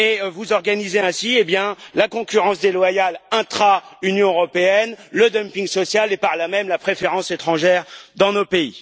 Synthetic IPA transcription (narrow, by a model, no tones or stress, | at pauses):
evuzɔʁɡanizeɛ̃siebjɛ̃lakɔ̃kʲyʁɑ̃sd̪elwajalɛ̃t̪χaynjɔ̃øʁɔpeɛnləd̪ɔmpĩŋɡsɔsjalepaʁlamɛmlapχefeʁɑ̃set̪χɑ̃ʒɛʁd̪ɑ̃nopei